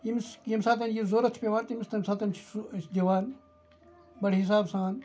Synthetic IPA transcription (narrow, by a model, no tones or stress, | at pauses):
imiskimsaːt̪̬ɐnjizoːɾɐt̪t͡ʃʰpʲeʋaːnt̪imist̪ɐmsaːt̪ɐnt͡ʃʰsd̪iʋaːn | bɐɽɦis̬aːbsãːn